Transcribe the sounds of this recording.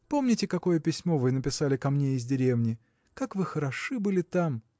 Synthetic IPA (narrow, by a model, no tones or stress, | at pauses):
po̞mnʲɪtʲɪkɐko̞jəpʲɪsʲmo̞vɨnəpʲɪsalʲɪkɐmnʲeɪzʲdʲɪɾʲevnʲɪ | kakvɨxəɾɐʂɨbɨlʲɪt̪am